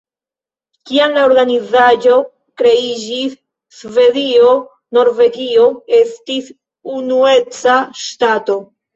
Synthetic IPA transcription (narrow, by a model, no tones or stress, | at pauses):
kiamlao̞ɾɡanizad͡ʒo̞ | kɾe̞id͡ʒisː | ve̞dio̞ | no̞ɾve̞ɡio̞e̞stis | unue̞t͡saʃtato̞